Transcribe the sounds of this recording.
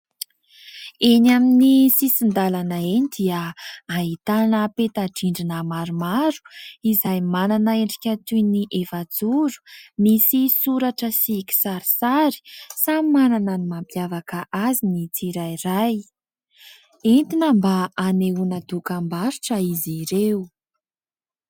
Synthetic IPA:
enaminisisind̪alanaenid̪iəaɦit̪anəpet̪aɖ͡ʐiɳɖ͡ʐinamaɾumaɾu̥izajmananaeɳɖ͡ʐikʲat̪ujniʔevad͡zuɾu̥misisuɾaʈ͡ʂəsiki̥saɾisaɾi̥samimananənimampjavakəʔazinit͡siɾajɾaj | ent̪inəmbaːneunad̪ukambaɾiʈ͡ʂəiziɾeu

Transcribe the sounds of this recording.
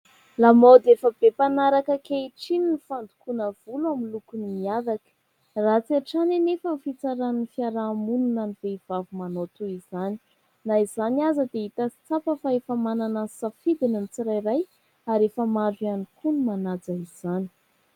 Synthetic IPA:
lamod̪efəb̥epanaɾakəkeiʈ͡ʂininifand̪u̥kunəv̥uluamilukunimiaɾakə̥ | rat͡siaʈ͡ʂanenefəmfit͡saɾannfiaɾamununaniveiv̥avumanot̪uiz̥ani̥ | naizanazəd̪eit̪asi̥t͡sapəfaefəmananasafid̪inamit͡siɾajɾaj | aɾefəmaɖ͡ʐianikʰunumanad͡zaiz̥ani̥

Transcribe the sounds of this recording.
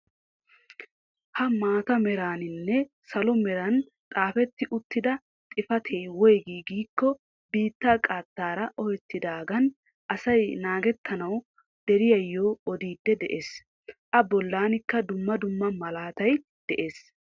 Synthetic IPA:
hɐmaːt̪ɐmɛɾaːnɪnːɛ | sɐlɔmɛɾɐn | t̪ʼaːfɛt̪ːɪʔʊt̪ːɪd̪ɐ | t̪ʼɪfɐt̪ʰeːwɔjɡiːɡiːkːɔ | biːt̪ːaːkʼaːt̪ːaːɾɐʔɔhɛt̪ːɪd̪aːɡɐn | ʔɐsɐjnaːɡɛt̪ʰːɐnɐw | d̪̥ɛɾɪjɐjːoːɔd̪iːd̪ːɛd̪ɛʔeːs | ʔɐbɔlːaːnɪkːɐd̪ʊmːɐd̪ʊmːɐmɐlaːt̪ɐj | d̪̥ɛʔe̞ːs

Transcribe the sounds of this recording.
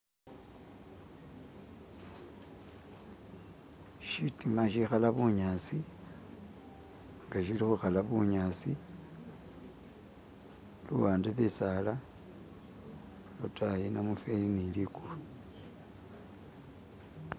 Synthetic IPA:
ʃitimaʃixalaβuɲasi | ŋɡaʃilixuxalaβuɲasi | luwaːndeβesala | lutajinamufeliniliku

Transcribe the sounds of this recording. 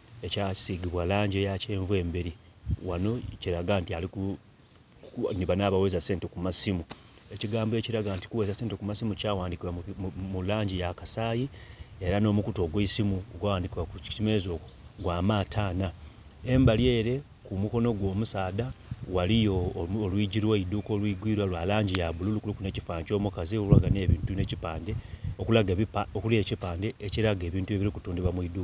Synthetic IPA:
e̞cai̥siɡiβwalaːɲɟejace̞ːɱvue̞ːmbeɾi | wano̞ciɾaɡantialiku | niβanaβawe̞ːzase̞ːntekumasimu | e̞ciɡaːmboe̞ːciɾaɡaːnti̥kuweːzase̞ːnte̞kumasimucaːwaːndikiwamulaːɲɟijakasaːjie̞ɾano̞ːmukuto̞ɡweisimuoɡwawaːndikiwakuimezo̞kɡwaːmaːtʰaːna | e̞mbalje̞ːɾe̞ | kumuko̞no̞ɡwo̞ːmusaːdawalijoːlwiːɟiɾweiduːko̞ːlwiːɡwiːɾwalwalaːɲɟijaβululukulukune̞ːcifaːɲt͡ʃo̞ːmukazioua̰ɡaneːβiːntune̞cipaːnde̞okulaɡeokule̞cipaːndeeciɾaɡe̞ːβiːntue̞βiɾikutuːndiβamwiduːk

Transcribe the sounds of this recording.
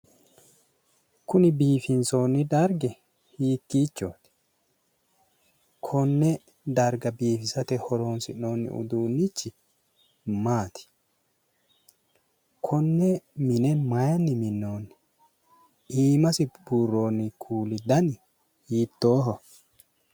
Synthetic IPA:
kʊnɪbiːfɪnso̞ːnːɪd̪ɐɾɡɛ | hiːkːiːt͡ʃːoːt̪ɪ̥ | kʰɔnːɛ | d̪ɐɾɡɐbiːfɪsɐt̪ɛhɔɾo̞ːnsɪ̰ʔno̞ːnːɪ̰ʔʊ̰d̪uːnːɪt͡ʃːɪ | maːt̪ɪ̥ | kʰɔnːɛmɪnɛmɐjɐnːɪmɪnːo̞ːnːɪ̥ | iːmɐsɪburːo̞ːnːɪkʰuːlɪd̪ɐnɪ | hiːt̪ːo̞ːɦɔ

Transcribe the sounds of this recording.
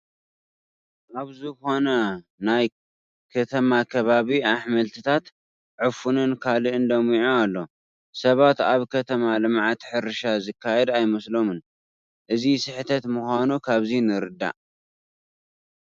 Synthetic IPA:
ʔaβzɨxo̞nɐ | naj | kʰɐt̪ʰɐmakʰɐβaβiaħmɐlt̪ʰɨt̪ʰat̪ | ʕɨfunɨnkʰalɨʔɨnd̪ɐmiʕoalːo̞ | sɐβat̪aβkʰɐt̪ʰɐmalɨmʕat̪ħɨɾɨʃazɨkʰːajɛd̪ajmɐslomɨn | ʔɨzisɨħɨt̪ʰɐt̪muxʷanukʰaβzinɨɾɨd̪ːa̰ʔ

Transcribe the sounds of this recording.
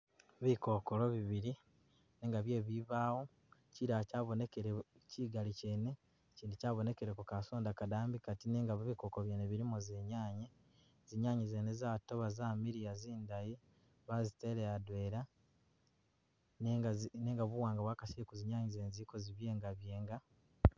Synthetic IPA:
βikoːkolo̞βiβiɾi | neːŋɡaβje̞ːβiβaːwo̞ | ciɾacaːβo̞nekeɾeciɡalice̞ːne̞ | ciːndicaːβo̞ne̞ke̞ɾekukasoːndakadaːmbikatineːŋɡaββikokoβjeːneβiɾimozeɲaːɲe | ziɲaːɲizeːnezaːto̞βazaːmiɾijaziːndaji | βazite̞ɾejadweːɾa | neŋɡaneːŋɡaβuwaːŋɡawaːkasikuziɲaːɲize̞ːnzikoziβje̞ːŋɡaβje̞ːŋɡa

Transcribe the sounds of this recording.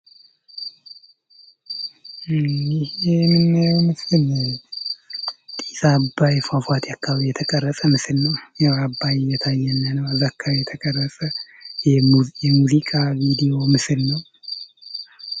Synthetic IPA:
ɪhemɨnːawmɨsɨnə | t̪ʼisabːajfafat̪jakʰːaβjɛt̪ʰəkʼərːəsʼəmɨsɨlnəwjawabːajjːɛt̪ʰajːɛnːənəwazakʰːawjɛt̪ʰəkʼərːəsʼəjɛjɛmuzikʼavid̪ijo̞mɨsɨlnəw

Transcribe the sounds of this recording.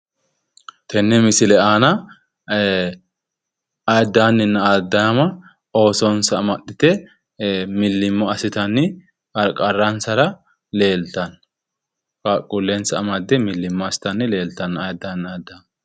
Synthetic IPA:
t̪ɛnːɛmɪsɪlɛaːnɐ | ɐjd̪ːaːnːɪnːɐaːd̪ːɐmɐ | o̞ːsɔnsɐɐmɐɗɪt̪ɛ | mɪlːɪmːɔɐsɪt̪ɐnːɪ | ɐɾkʼɐrːɐnsɐɾɐ | le̞ːlt̪ɐn | kakʼːʊlːensɐɐmɐd̪ːɛmɪlːɪmːɔɐsɪ̥t̪ɐnːɪle̞ːlt̪ɐnɐjd̪ːanaːd̪ːɐm

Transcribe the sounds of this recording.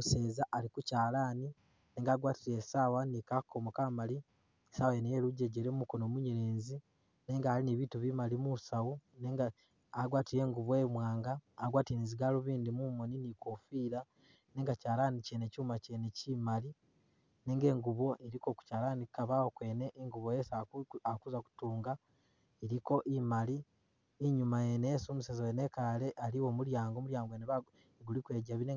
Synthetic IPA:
use̞ːzaʔalikucaːlaːni | ne̞ːŋɡaːɡwaːtiɾesaːwanikakʰːomokamali | esawajenejeːluɟeɟeɾemumukonoːmuɲeɾeːnzi | ne̞ːŋɡaːliniβituβimalimusawuneːŋɡaː | ɡwaːtije̞ːŋɡuβwemwaːŋɡaːɡwaːtiniziɡaluβiːndimumoninikofiːɾa | neːŋɡacaːlaːnicenecuːmacenecimali | neːŋɡe̞ːŋɡuβo̞ʔeɾiko̞ku̥caːɾaːnikaβawokwe̞ːneʔiŋɡuβojesaakuzaku̥tuːŋɡa | eɾiko̞ʔimali | iɲumajeneesumusezojenekale̞ʔaliwo̞ːmuɾjaːŋɡomuɾjaːŋɡoeneβa | eɡulikweːɟaβine

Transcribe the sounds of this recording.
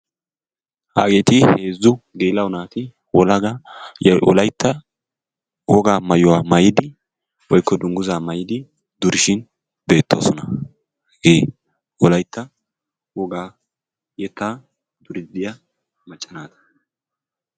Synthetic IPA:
ha̰ːɡe̞ːt̪ɪhe̞ːzːʊɡeːlɐwʊnaːt̪ɪ | wɔlɐɡɐjɛʔɔ̰lɐjt̪ːɐ | wɔɡaːmɐjʊaːmɐjɪd̪ɪ | wɔjkːɔd̪ʊŋɡʊzaːmɐjɪd̪ɪ | d̪ʊɾɪʃɪn | be̞ːt̪ːo̰ːsɔnɐ | ɡeː | ɔlɐjt̪ʰːɐ | wɔɡaː | jɛt̪ːaː | d̪̥ʊɾɪd̪ːɪja | mɐt͡ʃʼːɐnaːt̪ɐ̥

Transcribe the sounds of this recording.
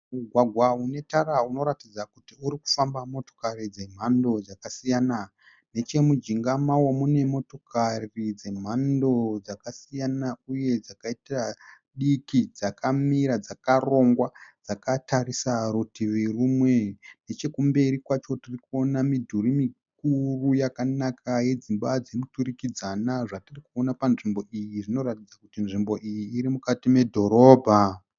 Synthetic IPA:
uɡʱwaɡʱwaune̞tarauno̞ɾatid͡zakutiuɾiku̥fambamo̞to̞̥karid͡ze̞m̤ando̞d͡zakasijana | ne̞t͡ʃe̞mud͡ʒiŋɡamawomune̞mo̞to̞kʰarid͡ze̞m̤ando̞d͡zakasijanauje̞d͡zakaitira | ɗikid͡zakamiɾad͡zakaro̞ŋɡwad͡zakatarisaɾutiʋerumwe̞ne̞t͡ʃe̞kumbe̞ɾikwat͡ʃo̞tirikuo̞namidʱurimik̚urujakanakʰaje̞d͡zimbad͡zemuturikid͡zanaʐatirikuonapanʐimbo̞ʔijiʐino̞ɾatid͡zakutinʐimbo̞ʔijiːɾimukatime̞dʱo̞ɾo̞ːbʱa

